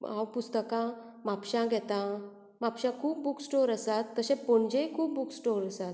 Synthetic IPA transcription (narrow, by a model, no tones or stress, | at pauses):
a̰wpust̪əkã | mapɕãɡʱɛt̪ã | mapɕãkʰuːp̚buksʈoɾəsat̪ːəɕẽpoɳd͡ʑekʰuːp̚buksʈoɾəsat̪